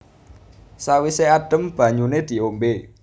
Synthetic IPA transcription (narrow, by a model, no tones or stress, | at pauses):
sawiseaɖ̥ə̤mb̥a̤ɲuned̪̥i̤ombe